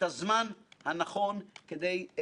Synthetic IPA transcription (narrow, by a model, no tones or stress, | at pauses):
azmanhanaχo̞nked̪e̞j